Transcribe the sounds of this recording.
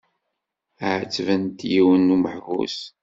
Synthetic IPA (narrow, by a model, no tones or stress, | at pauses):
əʕt͡sːvənt̪jiwənːuməħvṵs